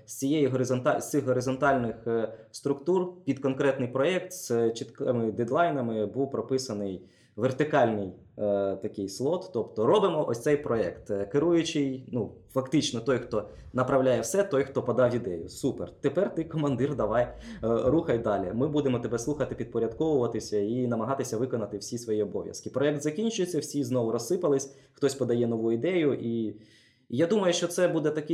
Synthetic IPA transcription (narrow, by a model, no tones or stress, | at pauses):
sʲt͡sʲijɛjiɦɔɾɪzɔnt̪ɑsʲt̪sɪxɦɔɾɪzɔnt̪ɑlʲnɪxst̪ɾʊkt̪urpʲid̪kɔnkɾɛt̪nɪjpɾɔɛk̚t̪st͡ʃt̪kɪmɪd̪ed̪lˠɑjnɐmɪbuwpɾɔpɪsɐnɪj | ʋert̪ɪkɑlʲnɪj | t̪ɐkɪjslˠɔt̪ːɔpt̪ɔɾɔbɪmɔʔɔsʲt̪sɛjpɾɔɛkt̪keɾujʊt͡ʃɪjnufɐkt̪ɪt͡ʃnɔt̪ɔjxt̪ɔ | nɐpɾɐwlʲajɛwsɛt̪ɔjxt̪ɔpɐd̪ɑwʲid̪ɛjʊsupḛrt̪epɛrt̪ɪkɔmɐnd̪ɪrd̪ɐʋɑjɾuxɐjd̪ɑlʲimɪbud̪emɔt̪ɐbɛslˠuxɐt̪ɪpʲid̪̚pɔɾʲɐd̪kɔʋʊʋɐt̪ɪsʲɐinɐmɐɦɑt̪ɪsʲɐʋɪkɔnɐt̪ɪwsʲisʋɔjiɔbɔ̰ʋʲjɐ̰skɪpɾɔɛk̚t̪zɐkʲinʲt͡ʃʊjet͡sʲːɐwsʲiznɔʋʊɾɔsːɪpɐlˠɪsʲ | xt̪ɔsʲpɔd̪ɐjɛnɔʋuid̪ɛjʊʔi | jad̪umɐjʊʃt͡ʃɔt̪sɛbud̪ɛt̪ɐkɪ